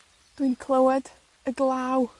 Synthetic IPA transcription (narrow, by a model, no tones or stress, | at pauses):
d̥winkʰlˠəwɛd | əɡlˠaw